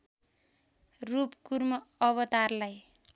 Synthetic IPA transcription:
rupkurmʌʌβʌt̪arlaj

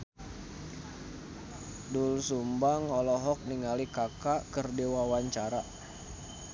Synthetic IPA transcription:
dulsumbaŋɔlɔɦɔk̚niŋalikakakərdewawaɲt͡ʃaɾa

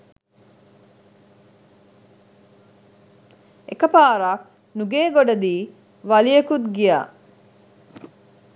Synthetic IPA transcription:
ekɐpaːɾak̚ | nuɡeːɡoɖɐd̪iː | ʋɐlijekut̪ɡija̰ː

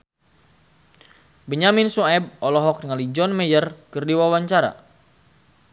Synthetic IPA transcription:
bəɲaminsuɛb̚ɔlɔɦɔk̚dəŋalid͡ʒɔnmɛjərkərdiwawaɲt͡ʃaɾa̰

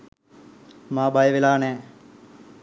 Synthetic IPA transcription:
maːbajəʋelaːnɛː

